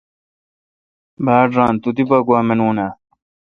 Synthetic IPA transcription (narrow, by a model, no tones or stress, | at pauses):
baːɖɾaːnt̪ut̪ipɐɡwaːmenuːna